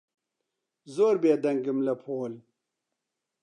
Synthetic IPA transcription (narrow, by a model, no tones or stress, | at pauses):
zoɾbeːd̪ɐŋɡimlɐpʰoːl